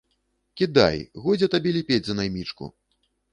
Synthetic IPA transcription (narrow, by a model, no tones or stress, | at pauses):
kʲid̪a̰jɣɔd͡zʲɛt̪abʲelʲipʲed͡zʲzɐnajmʲit͡ʂkṵ